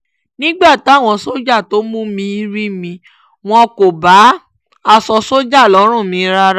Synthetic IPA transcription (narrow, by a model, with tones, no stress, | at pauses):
nĩ˦ɡ͡ba˦˨ta˦˨w̃ɔ̃˧so˦d͡ʒa˦˨to˦mũ˦mĩ˧i˦ɾi˦mĩ˧ | w̃ɔ̃˧ko˨ba˨˦ | a˧sɔ˧so˦d͡ʒa˦˨lɔ˨˦ɾ̃ũ˦˨mĩ˨˧˦ɾa˧ɾ